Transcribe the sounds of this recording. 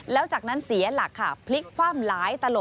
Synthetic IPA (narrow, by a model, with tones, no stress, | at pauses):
lɛː˦˥wt͡ɕaː˨˩k̚na˦˥nsi˩˦ɐla˨˩kʰːa˥˩pʰli˦˥kʰːwaː˥˩mlaː˩˦jt̪a˧lo˨˩